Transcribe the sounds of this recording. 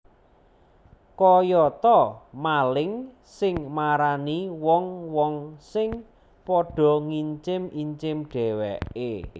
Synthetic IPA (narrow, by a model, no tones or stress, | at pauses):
kɔjɔt̪ɔmalɪŋ | sɪŋmaɾaniwɔŋwɔŋsɪŋ | pɔɖ̥ɔ̤ŋiɲt͡ʃɪmiɲt͡ʃɪmɖ̥ɛ̤wɛ̰e